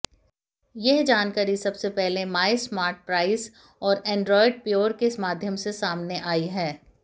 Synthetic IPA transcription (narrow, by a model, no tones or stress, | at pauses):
jɛɦd͡ʒaːnkəɾisɐbsepɛɦlemaːɪsmaːɾʈ̚pɾaːɪs | ɔːɾɛ̃ːɳɖɾɔːɪɖ̚pjoːɾkesmaːd̪ʱjəmsesaːmneʔaːiɦɛː